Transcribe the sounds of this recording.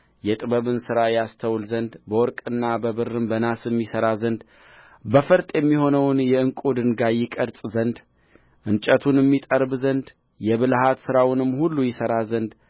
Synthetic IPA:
jɛt̪ʼɨbəβɨnsɨɾajast̪ʰəwlzənd̪bəwɔɾkʼɨnːabəβɨrɨmbənasɛmːisəɾazənd̪ | bəfɨɾt̪ʼjɛmːiho̞nəwnjɛɨŋkʼud̪ɨnɡajɪkʼəɾt͡sʼzənd̪ | ʔɨnt͡ʃʼət̪ʰunɛmːit̪ʼəɾbzənd̪ | jɛβɨlhat̪sɨɾawnɨmːhulːujɪsəɾazənd̪

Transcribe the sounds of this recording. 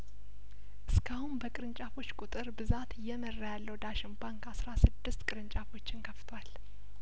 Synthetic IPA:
ʔɨskʰahumbəkʼɨɾɨnt͡ʃʼafo̞t͡ʃːkʼut̪ʼɨɾbɨzat̪ɪjːɛmərːajalːəwd̪aʃɪmbaŋkʰasɾasɨd̪ːɨst̪kʼɨɾɨnt͡ʃʼafo̞t͡ʃːɪnkʰəft̪ʰwal

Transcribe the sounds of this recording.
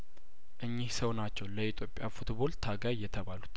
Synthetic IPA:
ʔɨɲːihsəwnat͡ʃːɛwləit̪ʰʼjo̞pʼjafut̪bo̞lt̪ʰaɡajjːɛt̪ʰəβalut̪

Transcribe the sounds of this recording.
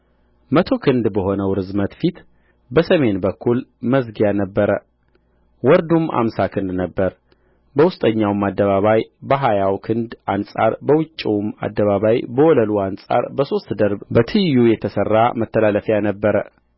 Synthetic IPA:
mət̪ʰo̞kʰɨnd̪bəɦo̞nəwɾɨzmət̪fit̪ | bəsəme̞nbəkʰːulməzɡijanəbːəɾə | wɔɾd̪uma̰msakʰɨnd̪nəbːəɾ | bəwʊst̪ʼəɲːawmad̪ːəβaβajbəɦajawkʰɨnd̪ansʼa̰ɾbəwɨt͡ʃʼːiwma̰d̪ːəβaβajbəwɔləluansʼa̰ɾbəso̞st̪d̪əɾbbət̪ʰɨjujɛt̪ʰəsərːamət̪ʰːəlaləfjanəbːəɾə

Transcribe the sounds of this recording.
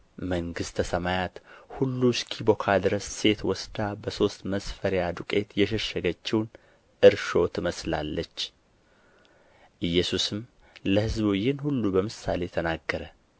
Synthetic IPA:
məŋɡɨst̪ʰəsəmajat̪hulːuskʰibokʰad̪ɨɾəsːe̞t̪wɔsd̪abəso̞st̪məsfəɾjad̪ukʼe̞t̪jɛʃɛʃːəɡət͡ʃːɪwn | ʔɨɾʃo̞t̪ʰɨməsla̰lːət͡ʃː | ʔɨjːɛsusɨm | ləhɨzbjːɪnhulːubəmɨsalet̪ʰənaɡːəɾə

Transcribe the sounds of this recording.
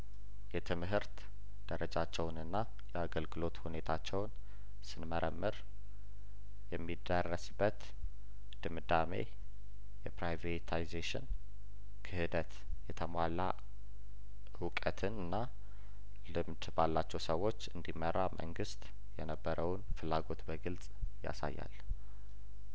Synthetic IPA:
jɛt̪ʰɨmɦɨɾt̪ | d̪̥əɾəd͡ʒat͡ʃːɛwnɨnːa | jɛaɡəlɡɨlo̞t̪hune̞t̪ʰat͡ʃːɛwn | sɨnməɾʔəmːɨɾ | jɛmːid̪ərːəsbːət̪ | d̪̥ɨmɨd̪amḛ | jɛpɾajvet̪ʰajzeʃɪ̰n | kʰɨhɨd̪ət̪ | jɛt̪ʰəmala | wʊkʼət̪ʰɨnɨnːa | lɨmd̪balːat͡ʃːɛwsəwːo̞t͡ʃːɨnd̪imːəɾːamʔə̰ŋɡɨst̪ʼ | jɛnəbːəɾəwnfɨlːaɡo̞t̪bəɡɨlt͡sʼ | ja̰sa̰jːa̰l

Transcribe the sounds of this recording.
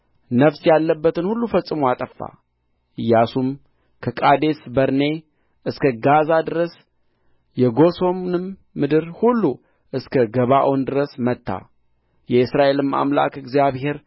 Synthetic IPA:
nəfsjalːəbːət̪ɨnhulːufəsʼːɨmoat̪ʼəfːa̰ | ɨjːasum | kʰəkʼad̪e̞sbəɾne̞ | ʔɨskʰəɡazad̪ɨɾəs | jɛɡo̞so̞mnɨmː | ɨd̪ɨɾhulːu | ʔɨskʰəɡəβaʔond̪ɨɾəsmət̪ʰːa̰ | jɛɨsɾaʔe̞lɨma̰mla̰kɨɡzijaβhe̞ɾ

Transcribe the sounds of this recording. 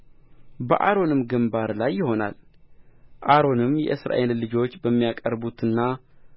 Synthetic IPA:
bəʔaɾo̞nɨmɡəmbaɾlajːɪho̞na̰l | ʔaɾo̞nɨmjɛ̰ʔɨsɾa̰ʔe̞llɨd͡ʒo̞t͡ʃːbəmːijakʼəɾbut̪ʰɨnːa

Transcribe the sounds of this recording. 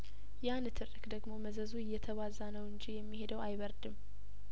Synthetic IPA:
janɨt̪ʰɨrːɨkd̪əɡmo̞məzəzuɨjːɛt̪ʰəβazanəwɨɲd͡ʒijɛmːihe̞d̪əwajβəɾd̪ɨm

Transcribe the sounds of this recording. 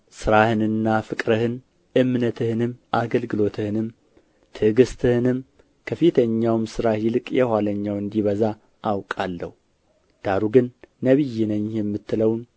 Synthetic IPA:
sɨɾahɨnɨnːafɨkʼɾəhɨn | ʔɨmnət̪ʰɨhɨnɨmʔaɡəlɡɨlo̞t̪ʰɨhɨnɨm | t̪ʰɨɡɨst̪ʰɨhɨnɨm | kʰəfit̪ʰəɲːawmsɨɾahilɨkʼjɛhʷwaləɲːawɨnd̪iβəza | ʔːwkʼalːə̰hu | d̪̥aɾuɡɨnːəβɨjːinəɲːjɛmːɨt̪ːɨləwn

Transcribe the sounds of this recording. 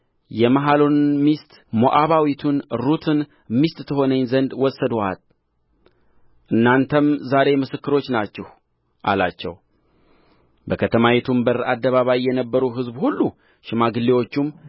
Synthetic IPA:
jɛmaɦalonɨnmist̪ | moʔaβawit̪ʰunɾut̪ʰɨn | mist̪t̪ʰɨho̞nəɲzənd̪wɔsːəd̪uha̰l | ʔɨnːant̪ʰəmzaɾe̞mɨsɨkːɨɾo̞t͡ʃːnat͡ʃːɛh | ʔa̰la̰t͡ʃːɛw | bəkʰət̪ʰəmawɛt̪ʰumbəɾad̪ːəβaβajijɛnəbːəɾuɦɨzbhulːu | ʃɪmaɡɨlːewo̞t͡ʃːum

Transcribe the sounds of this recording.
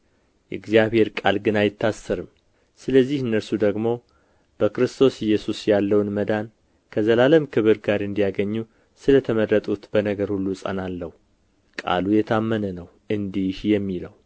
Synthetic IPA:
jɛɨɡzijaβhe̞ɾkʼalɡɨnajɪt̪ʰːasːəɾɨm | sɨləzːihɨnːəɾsud̪əɡmo̞ | b̥əkɨɾɨst̪ʰo̞sjːɛsusjalːəwnməd̪an | kʰəzəlaləmkʰɨβɨɾɡaɾɨnd̪ijaɡəɲːu | sɨlət̪ʰəmərət̪ʼut̪b̥ənəɡəɾhulːusʼə̰nalːəhu | kʼa̰lujɛt̪ʰamːənənəw | ɨnd̪ihjɛmːiləw

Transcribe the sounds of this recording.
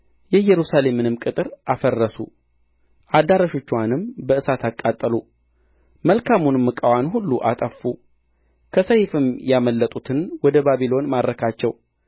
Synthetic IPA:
jɛjɛɾusale̞mːɨnɨmkʼɨt̪ʼɨɾʔafərːəsṵ | ʔad̪aɾəʃo̞t͡ʃːwanɨmbəɨsat̪ʰakʼːat̪ʼːəlu | məlkʰamunɨmːɨkʼəwanhulːuʔat̪ʼəfːu | kʰəsəjfɨmjaməlːət̪ʼut̪ʰɨnwɔd̪əbaβilo̞nmad̪ɾəkʰat͡ʃːɛw

